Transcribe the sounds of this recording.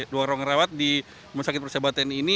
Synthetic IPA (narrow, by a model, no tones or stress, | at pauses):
duaɾɔŋəɾawat̪̚di | məsakɪt̪̚pərsabat̪anini